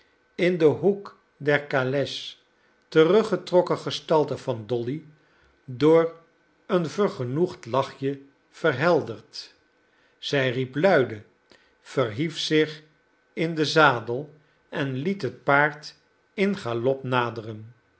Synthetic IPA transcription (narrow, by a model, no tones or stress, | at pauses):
ɪndəɦuk | dɛɹkalɛs | tərɵχətrɔkəχəstɑlˠtəvɑndɔli | dʊːɹ | ənvəɹχənuχtlɑχjə | v̥ərɦɛlˠdəɹt | z̥ɛjriplœɥdə | fərɦifsɪχ | ɪndəzaːdəlˠ | ɛnlitɦət̚paːɹt | ɪnχalɔpnaːdərən